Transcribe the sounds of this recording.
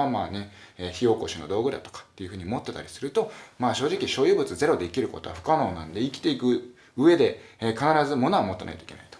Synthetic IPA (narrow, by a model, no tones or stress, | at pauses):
amaːne̞çio̞ːko̞̰ɕinod̪o̞ːɡɯ̟ɾd̪a̰t̪o̞̥kḁt̪ːe̞jiɯ̟ɸɯ̟ːɲ̟iomo̞t̪ːe̞t̪aɾʲisɨɾɯ̟t̪o̞maːɕo̞ːʑikʲiɕo̞ːjɯ̟ːbɯ̟t͡sɨze̞ɾo̞d̪e̞ikʲiɾɯ̟ko̞t̪o̞βa̰ɸɯ̟̥kano̞ːnã̰nd̪e̞ikʲi̥t̪eikɯ̟ | ɯ̟e̞d̪e̞kanaɾazɨmo̞no̞amo̞t̪ːena̰it̪o̥ikenai̥t̪o̥